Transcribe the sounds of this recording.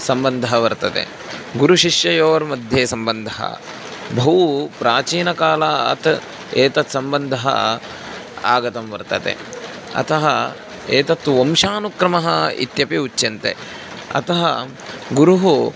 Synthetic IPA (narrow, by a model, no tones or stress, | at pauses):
sɐmbɐnd̪ʱɐɦɐʋɐɾt̪ɐt̪ḛ | ɡuɾuʃiʂjɐjoːɐɾmɐd̪ʱjeːsɐmbɐnd̪ʱɐɦɐ̰ | bʱɐʋupɾaːt͡ʃiːnɐkaːlaɐ̰t̪ | eːt̪ɐt̪sɐmbɐnd̪ʱɐɦɐ̰ | a̰ːɡɐt̪ɐmʋɐɾt̪ɐt̪ḛ | ɐ̰t̪ʰɐɦɐ̰ | eːt̪ɐt̪ʋomʃaːnukɾɐmɐɦɐḭt̪jɐpiut͡ʃːjɐnt̪ḛ | ɐ̰t̪ɐɦɐ | ɡuɾuɦu